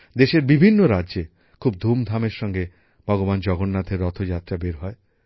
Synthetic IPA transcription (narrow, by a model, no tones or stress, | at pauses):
d̪eʃeɾbibʱinːoɾadʑe | kʰub̚d̪ʱumd̪ʱameɾʃɔŋɡe | b̥ʱɔɡoband͡ʑɔɡonːat̪ʰeɾɔt̪ʰod͡ʑat̪ːɾabeɾɦɔe